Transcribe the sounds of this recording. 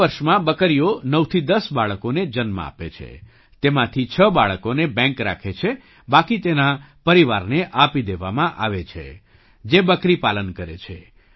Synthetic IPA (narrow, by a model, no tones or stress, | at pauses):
əɾʃmãbəkəɾijonəʋt̪ʰid̪əsbaɭəkoned͡ʒənmã̰a̰pḛt͡ʃʰḛ | t̪emãt̪ʰit͡ʃʰəbaɭəkonebɛ̃ŋkɾa̰kʰet͡ʃʰe | bakit̪enapəɾiʋaɾneʔapid̪eʋamãʔa̰ʋet͡ʃʰḛ | d͡ʒebəkɾipalənkəɾḛt͡ʃʰḛ